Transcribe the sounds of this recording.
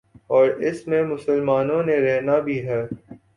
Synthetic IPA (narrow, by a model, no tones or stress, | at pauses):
ɔːɾɪsmẽmʊsəlmaːnõneɾɛɦnabʱiːɦɛː